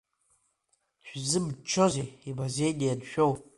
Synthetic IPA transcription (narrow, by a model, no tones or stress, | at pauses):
ʃʷᶣzɨbt͡ʃʰozeibazejdʲijadʃᶣow